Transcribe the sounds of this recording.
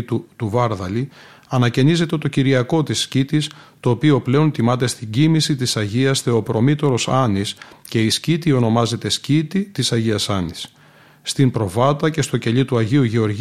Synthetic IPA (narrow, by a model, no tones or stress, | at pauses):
t̪ut̪uvɐɾðɐli | ɐnɐce̞nize̞t̪e̞t̪o̞ciɾiɐko̞t̪isːcit̪ist̪o̞ːpio̞ple̞o̞nt̪imɐt̪e̞st̪iɟimisit̪isɐʝiɐsθe̞opɾo̞mit̪o̞ɾo̞sɐnisce̞iscit̪io̞no̞mɐze̞t̪e̞scit̪it̪isɐʝiɐsɐnisː | t̪impɾo̞vɐt̪ɐce̞st̪o̞ce̞ʎit̪uɐʝiuʝe̞o̞ɾʝ